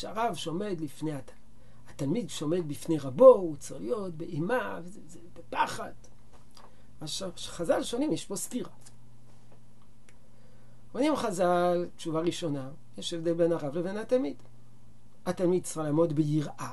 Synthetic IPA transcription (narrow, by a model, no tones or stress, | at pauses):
ʃaʁavʃo̞me̞d̪lifne̞ja | at̪almid̪ʃo̞me̞d̪bifne̞ʁabout͡seχlijot̪̚beʔimav | zebepaχad̥ | aʃ | χazalʃo̞nimjeʃpo̞stiʁa | onimχazaltt͡ʃuvaʁiʃo̞na | jeʃevd̪e̞lbe̞naʁavleve̞nat̪almid̥̪ | at̪almid̪̚t͡salaːmo̞d̪bejiʁʔa